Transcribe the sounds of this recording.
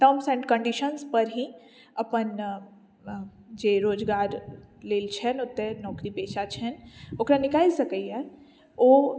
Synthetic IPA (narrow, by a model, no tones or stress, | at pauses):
ʈ̪ɐmsɛ̃ːɳɖkə̃ɳɖiʃənspɐɾɦi | ɐpən | d͡ʒeːɾoːd͡ʒɡaːɾleːlt͡ʃʰɛnʊt̪ːenɔːkɾipeːʃʰat͡ʃʰɛnoːkɾanɪkaːisɐkəiɦɛ | oː